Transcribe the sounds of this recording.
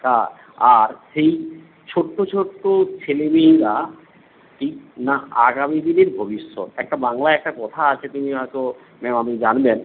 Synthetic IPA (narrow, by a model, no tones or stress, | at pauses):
k̪a | aɾʃej | t͡ɕʰoʈːot͡ɕʰoʈːot͡ɕʰelebiiɡa | ʈʰik̚naa̰ɡamid̪ineɾbʱobiʃːo̰t̪ɛk̚ʈabaŋlaɛk̚ʈakɔt̪ʰaat͡ɕʰet̪umiɔɦɔjt̪o | mɛmamid͡ʑanben